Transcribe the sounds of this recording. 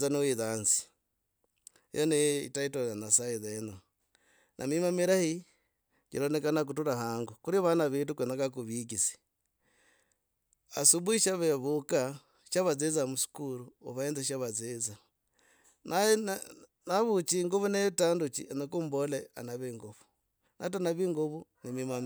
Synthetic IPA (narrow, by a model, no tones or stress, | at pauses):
zaniwiðanzi̥ | jʔo̰neḭtaitojanasaeðena | nʔa̰mimamiɾahi | kiɾonekanak̬utuɾahaŋɡukuɾiβanaβitukwenakak̬uβikisi̥ | a̰suβuiʃaβeβuka | ʃaβazezamusu̥kuɾuoβaend͡zeʃaβazeza | na | naβut͡ʃiŋɡuβuneβitandut͡ʃḭʔenakumbolea̰naβeŋɡoβu̥ | nʔa̰t̬anaβiŋɡoβunimimam